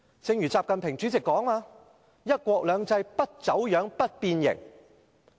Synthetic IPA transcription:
t͡sɪ˨˧ŋjyː˨˩t͡saː˧p̚kɐ˨npʰɪ˨˩ŋt͡ʃyː˨˥t͡sɪ˨kːɔː˨˥ŋaː˧ | jɐ˥t̚kʷɔː˧k̚lœː˨˧ŋt͡sɐ˧jpɐ˥t̚t͡sɐ˨˥wjœː˨˥ŋpɐ˥t̚piː˧njɪ̰˨˩ŋ

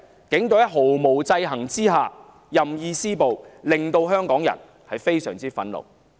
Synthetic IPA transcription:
kɪ˨˥ŋt̪o˨˥jɐ˥ɦo˨˩wmo˨˩wt͡sɐ˧jɦɐ˨˩ŋt͡siː˥ɦaː˨ | jɐ˨mjiː˧siː˥po˨wlɪ˨ŋt̪o˧wɦœː˥ŋkɔː˨˥ŋjɐ̰˨˩n | hɐ˨jfe˥jsœː˨˩ŋt͡siː˥fɐ̰˨˥nlo̰˨˩w

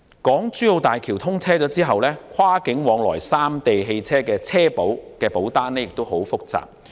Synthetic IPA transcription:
kɔː˨˥ŋt͡syː˥jo˧wt̪aː˨jkʰi˨˩wt̪ʰʊ˥ŋt͡sʰɛː˥t͡sɔː˨˥t͡siː˥ɦɐ˨wlɛː˥kʷʰwaː˥kɪ˨˥ŋwɔː˨˧ŋlɔ̰ː˨˩jsaː˥mt̪e˨jɦe˧jt͡sʰɛː˥kɛː˧t͡sʰɛː˥po˨˥wkɛː˧po˨˥wt̪aː˥nɛː˥jɪ˨k̚t̪o˥wɦo˨˥wfʊ˥k̚t͡sa̰ː˨p̚

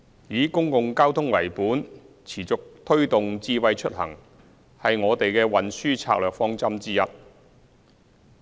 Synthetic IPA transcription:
jiː˨˧kʊ˥ŋkʊ˨˧ŋkaː˥wt̪ʰʊ˥ŋwɐ˨˩jpuː˨˥n | t͡sʰiː˨˩t͡sʊ˨k̚t̪ʰɵ˥ɥt̪ʊ˨ŋt͡siː˧wɐ˨˧jt͡ʃʰɵ˥t̚hɐ̰˨˩ŋ | hɐ˨jŋɔː˨˧t̪e˨jkɛː˧wɐ˨nsyː˥t͡sʰa̰ː˧k̚lœː˨k̚fɔː˥ŋt͡sɐ˥mt͡siː˥jɐ˨t̚

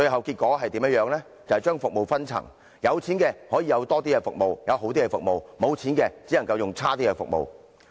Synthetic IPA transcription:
t͡ʃɵ˧ɥɦɐ˨wkiː˧t̚kɔː˨˥ɦɐ˨jt̪iː˨˥mjɐ˥t̚jœː˨˧ŋlɛ˥ | t͡swhɐ˨jt͡ʃœː˥ŋfʊ˨k̚mo˨wfɐ˥nt͡sʰɐ̰˨˩ŋ | jɐ˨˧wt͡sʰiː˨˥nkɛː˧hɔː˨˥jiː˧jɐ˨˧wt̪ɔː˥t̪̬iː˥kɛ˧fʊ˨k̚mo˨wjɐ˨˧wɦo˨˥wt̪iː˥kɛ˧fʊ˨k̚mo˨wmo˨˧wt͡sʰiː˨˥nkɛː˧t͡siː˨˥nɐ˨˩ŋkɐ˧wjʊ˨ŋt͡sʰaː˥t̪iː˥kɛ˧fʊ̰˨k̚mo̰˨w

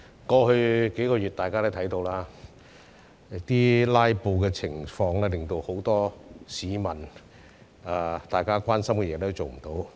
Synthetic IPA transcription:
kɔː˧hɵ˧ke˨˥jkɔː˧jy˨t̚t̪aː˨jkaː˥t̪t̪ʰɐ˨˥jt̪o˧wlaː˥ | t̪iː˥laː˥jpo˨˧wkɛː˧t͡sʰɪ˨˩ŋfɔː˧ŋlɛː˥lɪ˨˩ŋt̪o˧who˨˥wt̪ɔː˥siː˨˧˥mɐ˨˩n | aː˨˧t̪aː˨jkaː˥kʷaː˥nsɐ˥mkɛ˧jɛː˨˧t̪ɛ˥t͡so˨wm̩˨˩t̪o˨˥w

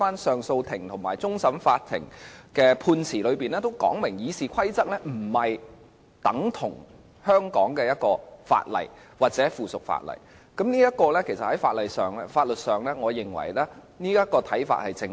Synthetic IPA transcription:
aː˥nsœː˨˩ŋso˧wt̪ʰɪ˨˩ŋt̪ʰʊ˨˩ŋmaː˨˩jt͡sʊ˥ŋsɐ˨˥mfaː˧t̪ʰːɪ̰˨˩ŋkɛː˧pʰuː˧nt͡sʰiː˨˩lɵ˨˧ɥpiː˨nɛː˥t̪o˥wkɔ̰ː˨˥ŋmɪ˨˩ŋjiː˨˧siː˨kʷʰɐ˥jt͡sɐ˥k̚lɛ˥m̩˨˩hɐ˨j | t̪ɐ˨˥ŋt̪ʰʊ˨˩ŋ | hœː˥ŋkɔ̰ː˨˥ŋkɛː˧jɐ˥t̚kɔː˧fa̰ː˧t̚lɐ̰˨˩j | waː˨t̚t͡sɛː˨˥fuː˨˩sʊ˨k̚fa̰ː˧t̚lɐ̰˨˩j | kɐ˨˥mniː˥jɐ˥t̚kɔː˧lɛː˥kʰe˨˩sɐ˨t̚hɐ˨˥jfa̰ː˧t̚lɐ˨jsœː˨˩ŋɛ˥faː˧t̚lɵ˨t̚sœː˨ŋlɛ˥ŋɔː˨˧jɪ˨˩ŋwɐ̰˨˩jlɛː˥ | niː˥jɐ˥t̚kɔː˧t̪ʰɐ˨˥jfa̰ː˧t̚hɐ˨jt͡sɪ˧ŋ

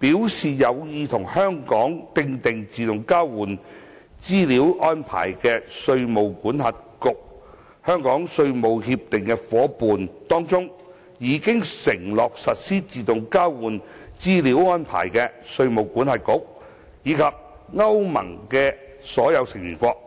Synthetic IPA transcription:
piː˨˥wsiː˨jɐ˨˧wjiː˨˧t̪ʰʊ˨˩ŋhœː˥ŋkɔː˨˥ŋt̪ɪ˧ŋt̪ɪ˨ŋt͡siː˨t̪ʊ˨˩ŋkaː˥wwuː˨˩n | t͡siː˥liː˨˥wʔɔː˥npʰa̰ː˨˩jkɛː˧sɵ˧ɥmo˨wkuː˨˥nhɐ˨t̚kʊ˨˧k̚ | hœː˥ŋkɔː˨˥ŋsɵ˧ɥmo˨whi˧p̚t̪ɪ˨ŋkɛ˧fɔː˨˥puː˨nt̪ɔː˥ŋt͡sʊ˥ŋ | jiː˨˧kɪ˥ŋsɪ˨˩ŋlɔː˨k̚sɐ˨t̚siː˥t͡siː˨t̪ʊ˨ŋkaː˥wwuː˨˩nt͡siː˥li˨˥wɔː˥npʰa̰ː˨˩jkɛ˧sɵ˧ɥmo˨˩wkuː˨˥nhɐ˨t̚kʊ˨˥k̚ | jiː˨˧kʰɐ˨p̚ | ŋɐ˥wmɐ̰˨˩ŋkɛː˧ | sɔː˨˥jɐ˨˧wsɪ˨˩ŋjy̰ː˨˩nkʷɔː˧k̚

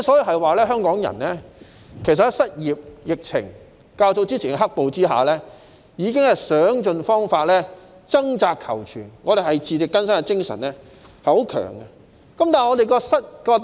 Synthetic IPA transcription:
sɔː˨˥ji˧wɦɐ˨jwaː˨˩lɛː˥ɦœː˥ŋkɔː˨˥ŋjɐ̰˨˩nlɛː˥ | kʰe˨˩jsɐ˨t̚ːsɐ˥t̚jiː˨p̚jɪ˨k̚t͡sʰɪ̰˨˩ŋ | kaː˧wt͡so˧wt͡siː˥t͡sʰiː˨˩nkɛ˧˥ɦɐ˥k̚po˨wt͡siː˥ɦa̰ː˨lɛː˥ | jiː˨˧kɪ˥ŋhɐ˨jsœː˨˥ŋt͡ʃɵ˧nfɔː˥ŋfaː˧t̚lɛː˥ | t͡sɐ˥ŋt͡saː˧kʰːɐ̰˨˩wt͡ʃʰy̰ː˨˩nŋɔː˨˧ɾe˨jɦɐ˨jt͡siː˨˧t̪ɪ˨kːɐ˥nsɐ˥nɛ˧kɪ˥ŋsɐ̰˨˩nlɛː˥ | hɐ˨jho˨˥wkʰœ̰ː˨˩ŋɐ˧ | kɐ˨˦mt̪aː˨ŋɔː˨˧t̪e˨jkɔː˧sɐ˥t̚kɔː˧

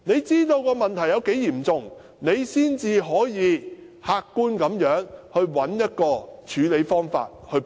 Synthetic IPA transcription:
ne˨˧jt͡siː˥t̪o˧wkɔː˧mɐ˨nt̪ʰɐ˨˩jɐ˨˧wke˨˥jiː˨˩mt͡sʊ˨ŋ | ne˨˧jsiː˥nt͡siː˧ɦɔː˨˥jiː˨˧ | haː˧kːuː˥nkɐ˨˧˥mjœː˨˥ŋhɵ˧ɥwɐ˨˥njɐ˥t̚kɔː˧t͡ʃʰyː˨˥le˨˧˥jfɔː˥ŋfa̰ː˧t̚hɵ˧

